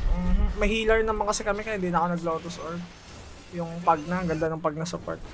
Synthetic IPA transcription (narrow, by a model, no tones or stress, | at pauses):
m̩ːmmɐhiːlɐɾnɐmaŋkɐsɛkɐmɛkɐhɪnd̪iːnɐkonɐɡloːt̪osʔoɹ | jʊŋpɐɡ̚naɡɐnd̪anʊŋpɐɡ̚nɐsɐpɐ̰ɹt̪̚